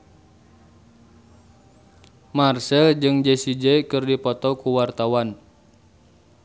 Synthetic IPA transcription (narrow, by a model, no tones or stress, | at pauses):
marsɛld͡ʒɨŋd͡ʒɛsid͡ʒɛkɨrdipɔt̪ɔkuwart̪awan